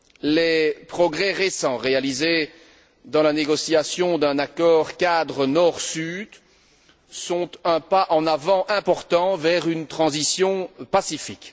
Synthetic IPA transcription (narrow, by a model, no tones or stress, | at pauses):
lepχɔɡʁɛʁesɑ̃ʁealize | d̪ɑ̃laneɡɔsiasjɔ̃d̪ɛ̃nakɔːʁkad̪ʁənɔʁsyd̪ | sɔ̃t̪ɛ̃paʔɑ̃navɑ̃ʔɛ̃pɔʁt̪ɑ̃vɛʁynt̪χɑ̃zisjɔ̃pasifik